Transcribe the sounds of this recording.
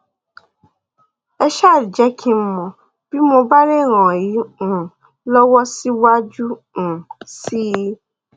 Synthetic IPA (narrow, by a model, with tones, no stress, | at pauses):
ɛ˧ʃa˦˨ɾi˨d͡ʒɛ˨˦kʰĩ˧m̩˦mɔ̃˨ | b̥i˦mo˧ba˦ɾe˦˨ɾ̃ã˨ji˨˦ũ˦˨ | lɔ˦wɔ˦si˦wa˦d͡ʒũ˦˨ | si˦